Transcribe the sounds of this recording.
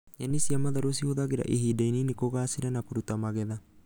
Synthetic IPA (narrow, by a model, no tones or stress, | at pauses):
janːisiamaðaɾosihoðaɣeɾa̰ʔiɦidaininikoɣaːsiɾanakuɾut̪amaɣɛða